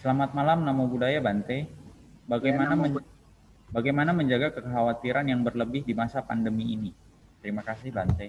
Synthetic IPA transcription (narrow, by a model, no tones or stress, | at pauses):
səlamat̪̚malamnamabudajabant̪ɛ | baɡajmanaə | baɡajmanaməɲd͡ʒaɡakəkəɦawat̪iɾanjaŋbərləbɪhdimasapandəmiːni | t̪əɾimakasɪhbant̪ɛ